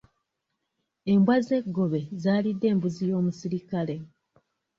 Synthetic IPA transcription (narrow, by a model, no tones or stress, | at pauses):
e̞mbwaze̞ɡːo̞βe̞zaːlidːe̞ːmbuzijo̞ːmusiɾikale̞